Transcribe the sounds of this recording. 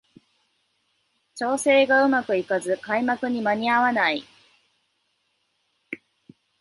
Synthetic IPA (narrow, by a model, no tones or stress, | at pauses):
t͡ɕo̞ːse̞ːɡaɯ̟makɯ̟ikazɨkaimakɯ̟ɲ̟imaɲ̟iaβanai